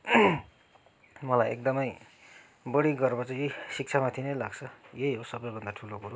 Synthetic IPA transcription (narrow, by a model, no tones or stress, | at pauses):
mʌlajʔḛk̚d̪ʌmʌj | bʌɽiɡʌrbʌt͡sʌ̃jesik̚t͡sʰamat̪ʰinʌjlaɡt͡sʰʌjejɦosʌbʌjbʱʌnd̪aʈʰulokuɾo